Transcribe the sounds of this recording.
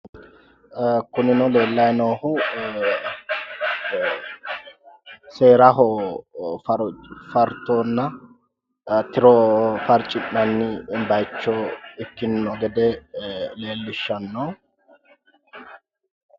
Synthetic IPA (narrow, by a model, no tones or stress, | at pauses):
kʊnɪnɔle̞ːlːɐjnoːhʊ | se̞ːɾɐɦɔ | fɾfɐɾt̪oːnːɐ | t̪ɪɾɔfɐɾt͡ʃʼɪnːɐnːɪbɐjt͡ʃːɔɪkːɪnːɔɡɛd̪ɛle̞ːlːɪʃːɐnːoː